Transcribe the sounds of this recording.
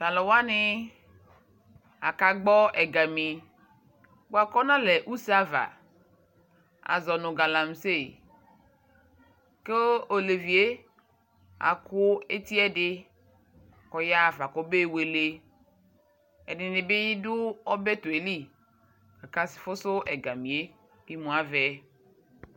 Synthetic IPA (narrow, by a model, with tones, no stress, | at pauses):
ta˨lɔ˨wa˦nɪ˦ | a̰˨ka˨ɡ͡bɔ˦ɛ˨ɡa˨mĩ˨ | bo˦a˨kɔ˦nã˦lɛ˨ʔu˦sa˦va̰˨ | a̰˨zɔ˨nʊ̃˨ɡa˨la˨m˨se˦˨ | ke˦o˨le˨vi˨e˦ | a̰˨kʰʊ˦e˦t̪i˦ɛ˦dɪ˦ | kɔ˨ja˦˨fa˨kɔ˦be˦˨we˨le˨ | ɛ˨nɪ˨nɪ˨bɪ˦jɪ˦dʊ˦ɔ˦bɛ˦t̪ʊ˨e˨li˦ | ka˨ka˦sɪ̥˨fʊ˦sʊ˦ʔɛ˨ɡa˨mĩ˨e˦ | bi˦mũ˨a˦vɛ˨˦